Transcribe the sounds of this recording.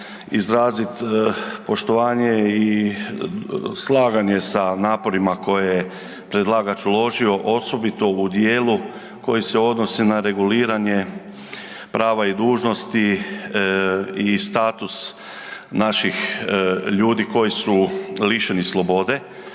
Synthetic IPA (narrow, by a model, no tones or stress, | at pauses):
izɾaːzit̪po̞ʃt̪o̞ʋaːɲei | slˠaːɡaɲe̞sanaːpo̞ɾimako̞jeje | pɾe̞d̪lˠaːɡat͡ʃulo̞ʒio̞ʔo̞so̞bit̪o̞ud̪jeːlu | ko̞jise̞o̞d̪no̞sinaɾe̞ɡuliːɾaɲe̞ | pɾaːʋaid̪uːʒno̞st̪i | ist̪aːt̪us | naʃix | ʎuːd̪iko̞jisuliʃenislˠo̞bo̞d̪e̞